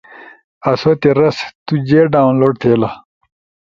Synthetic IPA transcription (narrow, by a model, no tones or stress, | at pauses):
ɐsoːt̪eɾɐst̪ud͡ʑeːɖaːwnloːɖ̚t̪ʰeːlɐ